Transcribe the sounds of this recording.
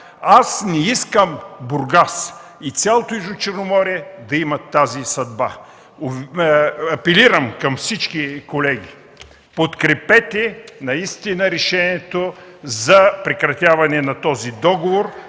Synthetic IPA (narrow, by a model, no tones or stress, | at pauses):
asnɛiskəmbʊɾɡasit̪sʲjalˠot̪oizot͡ʃɛɾnomɔɾiɛd̪ɐimɐt̪ːazisɐd̪ba̰ | ɐpɛliɾɐmkɐmfsit͡ʃkikolɛɡ̟ʲi | pot̪kɾɛpɛt̪ɛnɐist̪inəɾɛʃɛniɛt̪ozɐpɾɛkɾɐt̪ʲjavɐnɛnɐt̪ɔzid̪ɔɡovoɾ